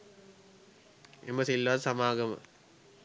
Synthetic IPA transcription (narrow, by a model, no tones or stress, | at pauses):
ḛmɐsilːaːðsɐmaːɡɐmɐ̰